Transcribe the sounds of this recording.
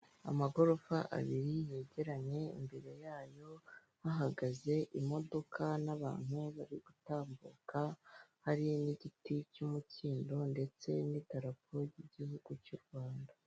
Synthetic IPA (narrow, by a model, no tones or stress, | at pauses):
a̰maɡo̞ɾo̞faʔa̰βiɾije̞ːɟe̞ɾaɲe̞ḭmbe̞ɾe̞jaːjo̞ | haɦaɡaze̞ʔimo̞do̞kʰanaβa̰ːn̥huβaɾiɡutaːmbṵkʰahaɾiniɟiticumuciːndo̞nde̞t͡se̞nitaɾap̚ʰo̞ɾjiɟihuɡ̥ucuɾɡwaːnda